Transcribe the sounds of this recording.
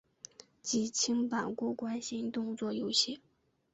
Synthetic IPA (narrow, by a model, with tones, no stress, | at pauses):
t͡ɕi˨˩t͡ɕʰi˥ŋpa˨˩kwɔ˥˩kwa˥nɕi˧˥nt̪ʊ˥˧ŋt͡swɔ˥˩jo˥ʊɕɛ˥˩